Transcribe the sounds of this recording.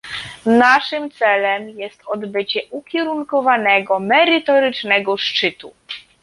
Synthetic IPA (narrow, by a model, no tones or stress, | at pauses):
naʂɘmt̪sɛlɛmjɛst̪ɔd̪bɘt͡ɕɛʔukʲjɛɾuŋkɔvanɛɡɔmɛɾɘt̪ɔɾɘt͡ʂnɛɡɔʂt͡ʂɘt̪u